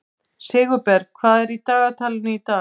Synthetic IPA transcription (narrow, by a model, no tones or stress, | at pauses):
sɪːɣʏpɛɾkʰvaːðɛɾit̪aːɣat̪ʰaːlɪnʏit̪aː